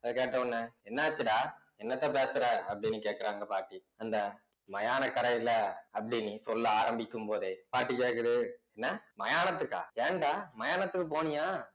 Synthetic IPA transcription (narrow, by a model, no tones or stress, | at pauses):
ɐðɯkeːʈːɐɔnːɐɛnːɐɐt͡ʃːɯʈaː | ɛnːɐt̪ːãːpeːsɐɾɐɐpːɐɽɪnːɯkeːʈ̚kɐɾaːŋɡɐpaːɾʈːi | ɐnd̪ɐ | mɐjaːnɐkɐɾɐjɪlɐɐpːɐɽinːisɔlːɯaːɾɐmbɪkːɯmpoːðeːpaːɾʈːikeːʈkːɐðɯɛnːɐmɐjaːnɐt̪ːɯkːa̰ːeːɳɖaːmɐjaːnɐt̪ːɯkːɯpoːɳɪjaː